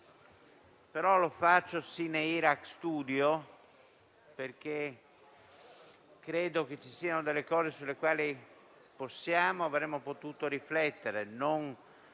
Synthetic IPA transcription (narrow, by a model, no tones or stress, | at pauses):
peɾɔlofat͡ʃːosineiɾakst̪uːd̪jo | perk̟e | kɾeːd̪ok̟et͡ʃisiːanod̪elːekɔːzesulːekwaːli | posːjaːmoavɾemːopot̪uːt̪oɾiflɛt̪ːeɾenon